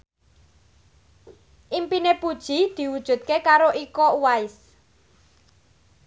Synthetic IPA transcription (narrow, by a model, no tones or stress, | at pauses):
ʔimpinepud̥ʒ̥i̤d̪̥i̤wud̥ʒ̥ṳt̪̚kekaɾoʔikɔwaɪs